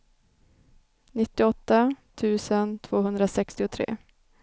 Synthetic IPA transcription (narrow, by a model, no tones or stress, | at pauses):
nɪt̪ːɪɔt̪ːat̪ʰʉ̟ːsənt̪ʰv̥oːɦɵnd̪ɾasɛkst̪ɪʊt̪ʰɾḛː